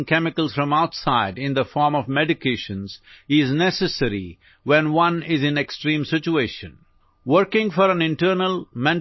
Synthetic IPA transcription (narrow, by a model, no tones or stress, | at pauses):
ŋkɛmɪkəlsfɾʌ̃maʊʈsaɪɖɪ̃nd̪əfɔːɾmɔʋmɛɖɪkʰeɪʃə̃nzɪznɛsəsəɾḭ | wɛ̃nwʌ̃nɪzɪ̃neksʈɾĩːmsɪt͡ʃueːʃə̰̃n | wəɾkɪ̃ŋfɔɾæ̃nɪ̃nʈəɾnəlmɛ̃n